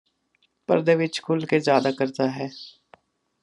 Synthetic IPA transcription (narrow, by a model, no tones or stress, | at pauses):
pə̰ɾd̪eːʋɪt͡ʃkʰʊlkezjaːd̪aːkəɾt̪aːɦɛː